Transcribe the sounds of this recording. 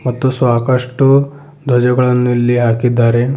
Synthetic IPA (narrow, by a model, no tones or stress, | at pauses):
mat̪ːosʋakaʂʈo | d̪ʱɔd͡ʑəɡɭanːulːiɦakid̪aɾe